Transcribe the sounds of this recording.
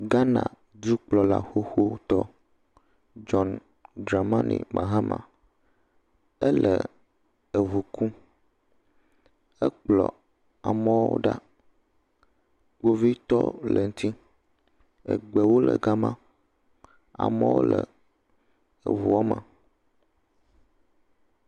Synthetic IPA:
ɡa˦nã̰˨ | d̪u˦k͡plɔ˨la̰˦˨xo˦xo˦t̪ɔ˦ | d͡ʒɔ˦n | dɾa˨mã˦nḭ˨mʔã˨ɦa˦mʔã̰˨ | ə˦lʔə˨ | ə˨vu˨ku˦ | ə˦k͡plɔ˨ | a˨mə̃˦wo̰˦ɖa˦ | wo˦vi˦t̪ɔ˦lə˨ŋ˦t̪ʰi˦ | ə̰˨ɡ͡bɛ˨wo˦lə˨ɡa˦mã˦ | a̰˨mə̃˦wo̰˦lə˨ | ə̰˨vu˨ɔ˦mə˨

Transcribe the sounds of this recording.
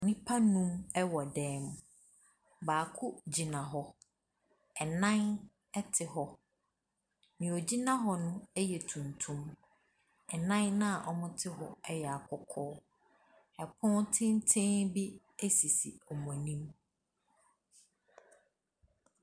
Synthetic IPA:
nɪ̃˦pʰa˦nũ˦mɛ˦wɔ˨dɛː˨˦m̃˨ | baː˨kʰʊ˦d͡ʑi˨nã˨ɦɔ˦ | ɛ˨nã˦n | ɛ˦tʰɪ˨ɦɔ˦ | mĩ˨ɔ˨d͡ʑi˦nã˦ɦɔ˨nʊ̃˦ɛ˦jɛ˨tʰũ˨ntʰũ˦m | ɛ˨nã˦nːã˦a˨ʔɔ˨mʊ̃˦tʰɪ˦ɦɔ̰˨ɛ˦jɛ˨a˨kʰɔ˦kʰɔː˦ | ɛ˨pʰʊ̃˦ntʰɪ̃˦n˦tʰẽ˦bi˦ | e˦si˨sḭ˨ɔ˨mɔ̃˨nĩ˦m

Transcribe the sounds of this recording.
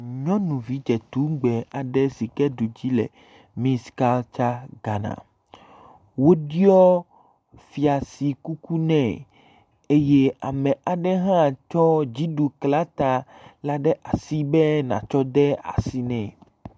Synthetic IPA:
ɲɔ̃˦nũ˨vi˦d͡ʒɛ˨t̪u˦ɡ͡bɛ˨a˨ɖɛ˦si˨kɛ˦ɖu˨d͡ʑi˦lɛ̰˨ | mĩ˦ska˦lt͡ʃa˦ɡa˨nã̰˨ | wo˦ɖi˦ɔ˦ | fi˨a˨si˨ku˦ku˦nɛ̃˨ | e˦je˦a˨mɛ̃˨ʔa˨ɖɛ˦ɦã˦˨t͡ʃɔ˦d͡ʑi˦ɖu˨kla˦t̪a˨la˨ɖɛ˦ʔa˨si˦bɛ˦nã̰˨t͡ʃɔ˦d̪ɛ˦a̰˨si˦nɛ̃˨

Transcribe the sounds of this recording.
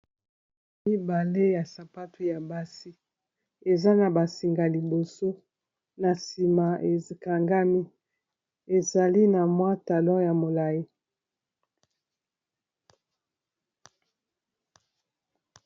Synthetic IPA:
mi˦ba˨le˦ja˨sa˨pa˦tu˦ja˨ba˦si˦ | e˨za˦na˨ba˨si˨ŋɡa˨li˨bo˨so˦ | na˨si˨ma˨ʔe˨ka˨ŋɡa˦mi˦ | e˨za˨li˦na˨mwa˦ta˨lɔ̃˦ja˨mo˨la˨ji˦

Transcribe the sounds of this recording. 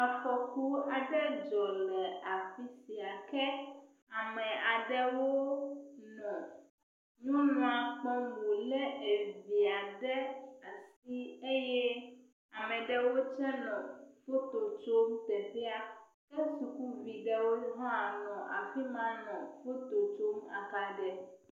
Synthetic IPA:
a˨fɔ˨ku˦a˨ɖɛ˦d͡ʒɔ˨lɛ˨a˨fi˦si˨a˨kɛ˦ | a˨mɛ̃˨a˨ɖɛ˦wo˦nɔ̃˨ | nũ˦nɔ̃˨a˨k͡pɔ̃˦mũ˨lɛ˦e˨vi˨a˨ɖɛ˦a˨si˦e˦jɛ˦ | a˨mɛ̃˨ɖɛ˦wo˦t͡ʃɛ˦nɔ̃˨fo˦t̪o˨t͡ʃo˦mt̪ɛ˨ɸe˦a˦ | e˦su˨ku˦vi˨ɖɛ˦wo˦ɦɔ̃˦a˨nɔ̃˨ʔa̰˨fi˦mã˦nɔ̃˨fo˦t̪o˨t͡ʃo˦ma̰˨ka˨ɖɛ˨

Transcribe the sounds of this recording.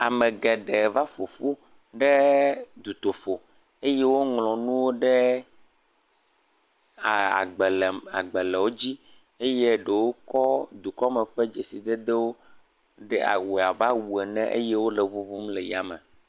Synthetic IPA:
a˨mɛ̃˨ɡɛ˨ɖɛ˨va˦fo˨fu˦ | ɖɛ˦d̪u˨t̪o˨fo˨ | e˦je˦wo˦ŋlɔ̃˨nũ˦wo˦ɖɛ˦ | a˨a̰˨ɡ͡bɛ˨lɛ˨ma̰˨ɡ͡bɛ˨lɛ˨wo˦d͡ʑi˦ | e˦je˦ɖe˨wo˦kɔ˦d̪u˨kɔ˦mɛ˨ɸɛ˦d͡ʒe˨si˨d̪e˦d̪e˦wo˦ | ɖɛ̰˦a̰˨wu˨a˨va˦wu˨ɛ˨nɛ̰̃˦ʔḛ˦je˦wo˦lɛ˨vo˦vo˦mle˨ja˨mɛ̰̃˨

